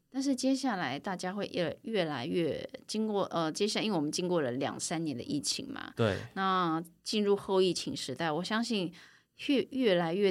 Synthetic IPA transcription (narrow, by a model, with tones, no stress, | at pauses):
t̪a˥˧nʂ̬ɻ̩˥˩t͡ɕjɛ˥ɕja˥˩la˧˥ɪt̪a˥˩t͡ɕja˥xwe˥˧ɪʔə˧ɥɛ˥˩la˧˥ɪɥɛ˥˩t͡ɕi˥ŋkwɔ˥˩ʔə˧t͡ɕjɛ˥ɕja˥˩˧i˥nwe˥˩wɔ˨˩mə˦nt͡ɕi˥nkwɔ˥˩lə˩ljɑ̰˨˩ŋsa˥nnjɛ˧˥nd̪ə̰˧ʔi˥˩t͡ɕʰḭ˧˥ŋmɐ̰˨˩e˩ɪna˥˩t͡ɕi˥˧nɻu˥˧xo˥˧ʊi˥˩t͡ɕʰi˧˥ŋʂɻ̩˧˥t̪a˥˩ɪwɔ˨˩ɕjɑ˥ŋɕi˥˧n | ɛ˥˧ɥɛ˥˩la˧˥ɪɥɛ˥˩